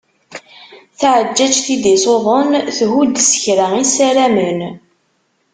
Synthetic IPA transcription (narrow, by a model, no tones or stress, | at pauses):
θʕəd͡ʒːæt͡ʃθid̪isˤoðˤənθɦud̪sə̥çɾaisæɾæmən